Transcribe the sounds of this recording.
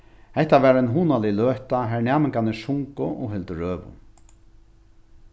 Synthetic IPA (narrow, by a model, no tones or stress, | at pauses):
hɛht̪avɛːɾɛnɦuːnalɪløːht̪aɦɛɹnaːmɪŋkanɪsʊŋkʊʔɔ̰ɦɪlt̪əɾøːvʊ̰